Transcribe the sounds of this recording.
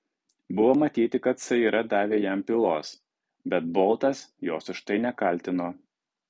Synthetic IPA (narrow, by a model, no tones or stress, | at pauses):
bʊʋoːmɐt̪ʲiːt̪ʲɪkɐt̪sɐiːɾʔɐd̪ɑːʋʲeːjɛmpʲɪlˠoːs | bʲɛt̪̚bɔlˠt̪ɐsjoːsʊʃt̪ɐɪnʲɛkɐlʲt̪ʲɪnoː